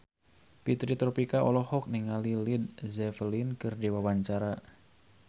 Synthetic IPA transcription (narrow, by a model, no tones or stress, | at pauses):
pit̪ɾit̪ɾɔpikaɔlɔhɔk̚niŋalilid̪̚zɛfəlinkɨrdiwawaɲt͡ʃaɾa